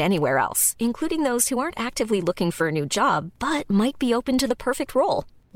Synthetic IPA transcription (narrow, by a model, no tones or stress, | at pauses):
ɛniwɛɹɛ̰lˠsɨ̃nkʰl̥uɾɪ̃ŋðoʊz̥huɑɹntæk̚tɨvlilʊkɪ̃ŋfə˞ɨnʉd͡ʒɑb̚b̥ʌt̚maɪt̚b̥ioʊpɨ̃ntɨðəpʰɜ˞fɨk̚t̚ʰɹoʊlˠ